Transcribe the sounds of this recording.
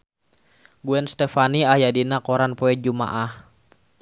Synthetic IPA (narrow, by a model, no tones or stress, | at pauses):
ɡuɛnst̪ɛfaniajadinakɔɾanpoɛd͡ʒuma̰ʔah